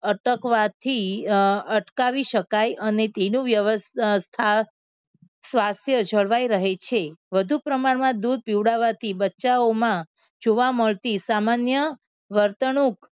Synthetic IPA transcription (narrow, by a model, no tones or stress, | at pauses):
əʈəkʋat̪ʰi | əʈkaʋiʃəkajʔənet̪enũʋjəʋəsst̪ʰa | sʋast̪ʰjəd͡ʒʱəɭʋajɾəɦet͡ʃʰeʋəd̪ʱupɾəmaɽmãd̪ud̪̚piwɽaʋat̪ʰibətːʃaomã | d͡ʒoʋaməɭt̪isamanjə | ʋəɾt̪ənuk